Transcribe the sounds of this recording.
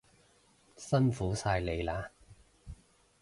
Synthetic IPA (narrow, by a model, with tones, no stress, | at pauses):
sɐ˥nfuː˨˥saː˧jle˨˧jlaː˨˧